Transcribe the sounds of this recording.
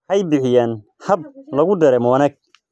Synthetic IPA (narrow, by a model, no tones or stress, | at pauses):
ħɐjbɪħɪjaːn | hɐb̚lɐɣʊd̪ɐɾɛmɔːnɐɡ̚